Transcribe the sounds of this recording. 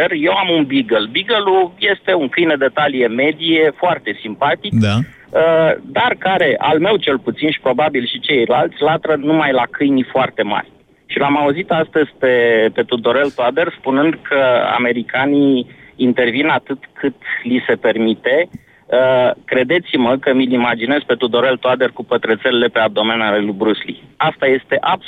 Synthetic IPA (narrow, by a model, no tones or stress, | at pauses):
erje̞wamunbiɡəlbiɡəluje̞st̪e̞uŋkɨjnəd̪e̞t̪alije̞me̞d̪ije̞foart̪e̞simpat̪ik | d̪arkaɾe̞ʔa̰lme̞wt͡ʃe̞lput̪sinʃi̥pɾo̞babilʃit͡ʃe̞jlalt̪sʲlat̪ɾənumajlakʰɨjnifoart̪e̞ma̰rʲ | ʃilamauzit̪ast̪əzʲpe̞pe̞t̪ud̪o̞ɾe̞lt̪uad̪e̞rspunɨnd̪kʰəa̰me̞ɾikaniːnt̪e̞rvinat̪ɨt̪kʰɨt̪lise̞pe̞rmit̪e̞ | əkɾe̞d̪e̞t̪siməkəmilimad͡ʒinezpe̞t̪ud̪o̞ɾe̞lt̪oad̪e̞rkupət̪ɾet̪selele̞pe̞ab̚d̪o̞me̞nalelujbɾuslḭast̪aje̞st̪e̞ʔab